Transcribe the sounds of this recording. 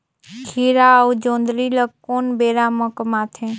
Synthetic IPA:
kʰiːɾaud͡ʒõːnd̪ɾiləkkoːnbeːɾaːməkmaːt̪ʰẽ

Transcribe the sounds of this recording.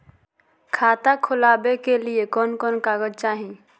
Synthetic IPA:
kʰaːt̪akʰʊlaːbekeliekɔːnkɔːnkaːɡəd͡ʒt͡ʃaːɦĩ

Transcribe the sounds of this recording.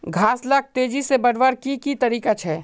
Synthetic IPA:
ɡʱaːslak̚t̪eːd͡ʒisebɐɽʋəɾkikit̪ɐɾiːkat͡ʃʰɛː

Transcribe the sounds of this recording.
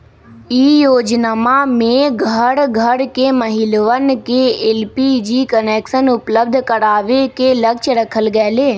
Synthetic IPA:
iːjoːd͡ʒnamamẽɡʱəɽɡʱəɾkeməɦɪlʋənkeelpid͡ʒiːkəneːkʃənʊpləbd̪ʱkəɾaːʋekeləkt͡ʃɾəkʰəlɡɛːleː

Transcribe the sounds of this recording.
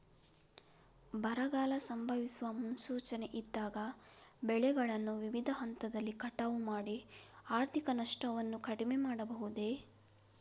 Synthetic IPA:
bɐɾɐɡaːlɐsɐmbʱɐʋisuʋɐmunusuːt͡ʃɐne̞ʔid̪ːaːɡɐbɛɭɛɡɐɭɐnːuʋiʋid̪ʱɐɦɐnt̪ɐd̪ɐlːikɐʈaʋumaːɽiaːɾt̪ʰikɐnɐʂʈɐʋɐnːukɐɽime̞maːɽɐbɐɦud̪e̞

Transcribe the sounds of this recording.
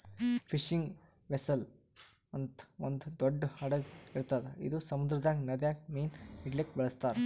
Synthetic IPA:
pʰiʃiŋɡ | ʋesɐl | ond̪ | ond̪ud̪oɖːhɐɽɐ | iɾt̪aːd̪eḭd̪usɐmud̪ɾɐd̪aːɡnɐd̪jaːɡmiːn | iʈlek̚ʈbɐɭɐst̪aːɾe

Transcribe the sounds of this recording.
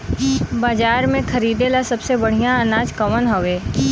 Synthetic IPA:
baːd͡ʒaːɾmẽkʰɐɾiːd̪elasɐbsebɐɽ̤ijãɐnaːd͡ʒkɐʋənɦoʋeː

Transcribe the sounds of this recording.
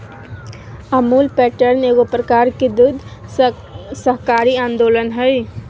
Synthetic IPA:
əmuːlpɛːʈəɾneːɡopɾəkaːɾked̪ʊd̪ʱ | səɦkaːɾiãːnd̪oːlənɦɛj

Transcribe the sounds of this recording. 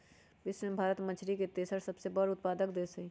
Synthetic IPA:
bɪsʋẽmbʱaːɾət̪mə̃t͡ʃʰɾiket̪esəɾsɐbsebəɾʊt̪̚paːd̪əkd̪eːsɐi

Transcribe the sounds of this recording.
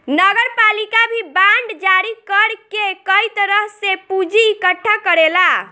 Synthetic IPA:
nəɡəɾpalikabʱibaɳɖd͡ʒaɾikəɾkekəjt̪əɾəɦsepud͡ʒiːkəʈʰːakəɾela

